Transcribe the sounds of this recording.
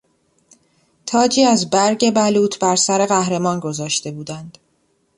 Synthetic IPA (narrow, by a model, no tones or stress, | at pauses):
t̪ʰɒːd͡ʒiːæzbæɾɟe̞bæluːt̪ʰbæɾsæɾe̞ɣæhɾe̞mɒːnɡo̞zɒːʃt̪e̞buːd̪ænd̪̥